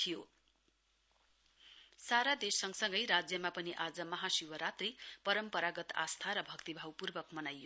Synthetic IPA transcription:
t̪ʰijo | saɾad̪esːʌŋɡsʌŋɡʌjɾad͡zjʌmapʌniʔad͡zʌmʌɦasiwʌɾat̪ripʌɾʌmpʌɾaɡʌt̪a̰st̪ʰaɾʌbʱʌkt̪ibʱawpurbʌkmʌnajːo

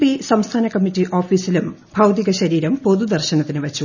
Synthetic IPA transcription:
pisɐmst̪ʰaːnɐkɐmːitːiʔo̞ːfiːsilum | bʱɐwd̪iɣɐɕɐɾiːɾɐmpoðud̪ɐrɕɐnɐt̪ːinɨʋɐt͡ɕːu

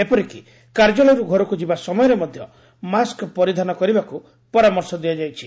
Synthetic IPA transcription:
epɔɾiki | kaɾd͡ʒɔlɔjɾuɡʱɔɾɔkud͡ʒibasɔmɔjɔɾemɔd̪ʱjɔ | maskpɔɾid̪ʱanɔkɔɾibaku | pɔɾamɔɾsɔd̪iad͡ʒajt͡ʃʰi

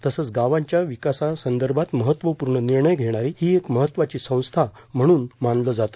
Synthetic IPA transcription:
t̪əsət͡sɡaʋãɲt͡ɕjaʋikasasənd̪əɾbʱat̪məɦət̪ːʋəpuɾɳəniɾɳəjɡʱeɽ̃aɾihiːekməɦət̪ːʋat͡ɕiːsə̃w̃st̪ʰa | m̤əɽ̃uːnmanləd͡zat̪ə̥

